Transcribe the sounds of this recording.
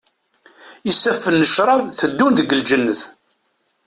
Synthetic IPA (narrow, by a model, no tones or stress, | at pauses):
əsːæfːənːəʃɾˤɑvθəd̪ːunðəɡəld͡ʒənːəθ